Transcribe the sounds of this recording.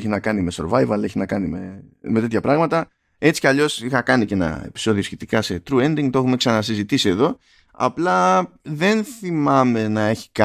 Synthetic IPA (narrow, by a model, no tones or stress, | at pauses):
çinɐkɐnime̞so̞ɾvɐjvɐle̞çinɐkɐnime̞me̞t̪e̞t̪çɐpɾɐɣmɐt̪ɐ | e̞t͡si̥cɐʎo̞sixɐkɐnice̞nɐ̰e̞̰pi̥so̞ðiosçe̞t̪ikɐse̞t̪ɾue̞nd̪iŋɡt̪oe̞xume̞ksɐnɐs̬izit̪isie̞ðo̞ | ɐ̰plɐðe̞nθimɐme̞nɐe̞çi̥kɐ